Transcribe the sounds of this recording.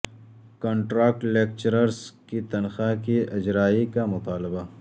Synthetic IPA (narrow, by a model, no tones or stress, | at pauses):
kɔ̃ːɳʈɾaːk̚ʈleːk̚t͡ʃɾəɾskit̪ɐnxakiʔɐd͡ʒɾaːikamʊt̪aːlɪba